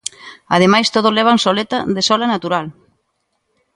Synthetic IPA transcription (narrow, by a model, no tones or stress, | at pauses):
a̰ð̞emajst̪oð̞ozlɛβ̞ansolet̪aðesɔlanat̪uɾal